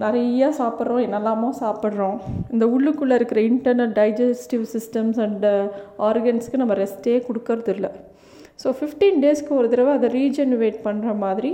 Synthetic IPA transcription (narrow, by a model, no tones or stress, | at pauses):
nɪɾɐjaːsaːpɪɾɾõːɛnːɐlːaːmõːsaːpɐɽɾõːɪnd̪ɐʊɭːɯkːɯɭːɐɪɾɯkːɪɾɐɪɳʈɐɾnɐlɖɐɪd͡ʒɐsʈɪʋsɪsʈɐmsɐɳɖaːɾɡɐnskːɯnɐmːɐɾɛsʈeːkɔɽɯkːɯɾɐðɪlːɐ | soːfɪfʈĩnɖeːskɯɔɾɐðɪɾɐʋɐɐðɐɾiːd͡ʒɐnʋeːʈ̚pɐɳːɾɐmaːðɪɾi